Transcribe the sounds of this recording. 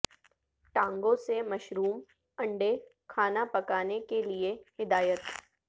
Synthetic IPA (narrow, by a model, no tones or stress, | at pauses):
ʈãːŋɡõsemɐʃɾuːm | ɐ̃ɳɖe | kʰaːnapɐkaːnekeliehɪd̪aːjət̪